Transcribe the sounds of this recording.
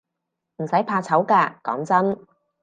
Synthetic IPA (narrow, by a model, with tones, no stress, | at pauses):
m̩˨˩sɐ˨˥jpʰaː˧t͡sʰɐ˨˥wkaː˧kɔ̰ː˨˥ŋt͡sɐ˥n